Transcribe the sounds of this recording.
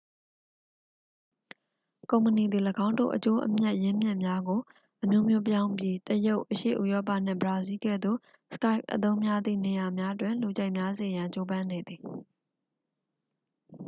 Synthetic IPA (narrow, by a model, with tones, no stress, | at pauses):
kõ˨ʊ̃məni˨d̪i˨ləɡã˦ʊ̃ndo̰˦˨ʔət͡ɕo˦ʔə̰mja˦ʔjɪ̃˦mjɪ̃˦˨mja˦ɡo˨ | ʔəmjo˦mjo˦p̬jã˦ʊ̃mpji˦təjo˦ʊʔəʃḛ˦˨ʔṵ˦˨jɔ˦p̬a̰˦˨n̥ɪ̰̃˦˨bəɹa˨zi˦ɡɛ̰˦˨d̪ðo̰˦˨ | sə̥ka˦ɪp̚ʔə̰t̪̬õ˦ʊ̃mja˦d̪ðḭ˦˨ne˨ja˨mja˦ʔtwɪ̃˨lu˨d͡ʑa˦ɪʔmja˦ze˨jã˨ɲt͡ɕo˦bã˦ne˨d̪ði˨